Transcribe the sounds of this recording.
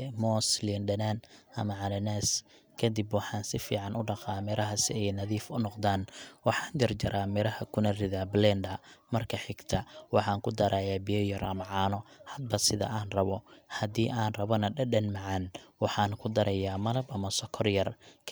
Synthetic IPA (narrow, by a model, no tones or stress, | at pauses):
mɔslinɖɐnanʔɐmɐʕɑlɐnɛːs | kʰɐd̪ibwɑħɑːnsɪfḭːʕɑnʊɖɑqɑːmɛɾɐɦɐsɪɛjnɐðiːfʊnɔqd̪aːnwɑħɑːnd͡ʒɐrd͡ʒɐɾʔaːmɛɾɐhɐkʰʊnɐrɪðablɛnd̪ɐmɐrkʰɐħɪɡt̪ʰɐwɑħɑːŋkʰʊd̪ɐɾʔaːjaːbijɔjɐrɐmʕɑːnɔhɐd̪̚bɐsɪðɐ̰ʔaːnrɐβɔhɐd̪iːʔaːnrɐβɔnɐɖɐɖɐnmɐʕɑnwɑħɑːnkʰʊd̪ɐɾɐjaːmɐlɐbɐmɐsɔkʰɔrjɐrkʰ